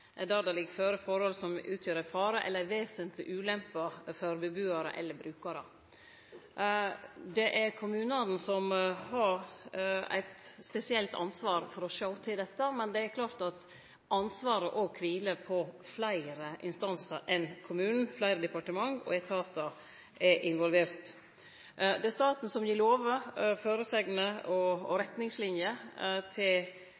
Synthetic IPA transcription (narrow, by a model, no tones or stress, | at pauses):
d̪æːɾd̪ɑlɪɡføɾəfɔɾhɔlsɔmʉːt̪ʰjøːɾæfɑːɾəʔɛ̰lːəʋeːsənt̪lɪʔʉːlɛmpəfɔɾbəbʉːəɾə̰ʔɛ̰lːəɾbɾʉːkɑɾə | d̪ɛʔæɾkʰʊmʉːnɑnn̩sɔmhɑɾ | æ̰ɪt̪spɛsɪɛlt̪ɑ̰nsʋɑːɾfɔɾɔʃoʊt̪ʰɪld̪ɛt̪ːəmɛnd̪ɛæɾkʰlɑːɾt̪ɑt̪ | ʔɑnsʋɑːɾəʔɔkʰʋiːləpʰɔflæɪɾəʔɪ̰nst̪ɑnsəɾʔɛnkʰʊmʉːnn̩flæɪɾəd̪ɛpɑʈəmɑŋɔ̰ɛt̪ʰɑːt̪ɑ | ʔɛʔɪnʋɔlʋeːɾt̪ | d̪ɛæst̪ɑːt̪n̩sɔmjiːloːʋəføːɾəsɛɡnəɔɾɛt̪nɪŋslɪnjət̪ʰɪl